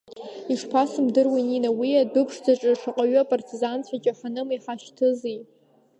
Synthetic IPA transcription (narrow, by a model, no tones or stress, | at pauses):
iʂpʰasɨmdɨrwininawiadɨpʰʂd͡zaʈ͡ʂʼɨʂaqʼaɥapʼartʰizant͡ɕʷʰat͡ʃʼaħanɨmiħaʃtʰɨzij